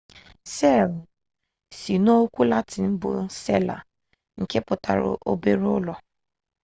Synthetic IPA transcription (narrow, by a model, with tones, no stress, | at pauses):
sɛ˦˨l | si˨no˦kʷu˦la˦tɪ˨m̩˦bʊ̰˨sḛ˦la̰˨ | ŋ̩˨ke˦pʊ˨ta˨ɾʊ̰˨ʔo˦be˦ɾʊ˦lɔ˨